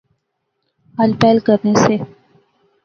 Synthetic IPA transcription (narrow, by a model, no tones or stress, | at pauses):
ɦalpɛːlkəɾnese